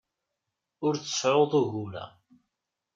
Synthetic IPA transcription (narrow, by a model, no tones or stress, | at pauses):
ʊɾθə̥sʕoðˤuɣulæ̰